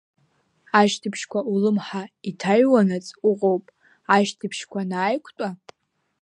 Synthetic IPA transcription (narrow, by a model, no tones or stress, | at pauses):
aʃtʰɨpʰʃkʷaulɨmħaitʰaɥwanat͡sʼuqʼowpʼ | aʃtʰɨpʰʃkʷanaːjkʷʰtʷʼa